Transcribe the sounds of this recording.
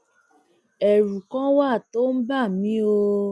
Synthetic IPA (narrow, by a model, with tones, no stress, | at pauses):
ɛ˨ɾu˨kã˦wa˦˨to˦n̩˦ba˦˨mĩ˨˦o˧